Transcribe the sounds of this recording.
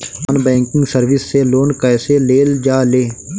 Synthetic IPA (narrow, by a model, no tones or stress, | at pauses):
ənbɛ̃ːŋkɪ̃ŋɡsəɾʋɪsːeloːnkɛːseleːld͡ʒaːleː